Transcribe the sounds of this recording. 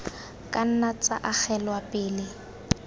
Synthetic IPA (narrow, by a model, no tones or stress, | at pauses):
kʼan̩nat͡sʼa̰ʔak͡xɛlwapʼɪːlɪ